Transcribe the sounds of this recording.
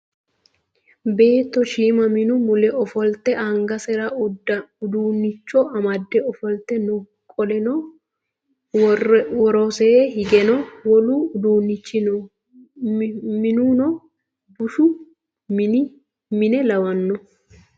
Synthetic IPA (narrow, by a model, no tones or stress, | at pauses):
be̞ːt̪ːɔʃiːmɐmɪnʊmʊlɛʔɔfɔlt̪ɛʔɐŋɡɐsɛɾɐʊɐʊd̪uːnːɪt͡ʃːɔʔɐmɐd̪ːɛɔfɔlt̪ːɛnɔ | kʼɔlɛnɔ | wɔɾɔseːhɪɡɛnɔwɔlud̪uːnːɪt͡ʃːɪn | mɪnuːnɔ | bʊʃʊ | mɪnɛlɐwɐnːɔ